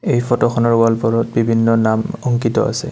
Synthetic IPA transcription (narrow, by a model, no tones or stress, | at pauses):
ejfʰɔtɔxʰɔnɔɹalpɔɹɔt̚bibʱinːɔnamɔŋkitɔ̰ʔa̰sɛ̰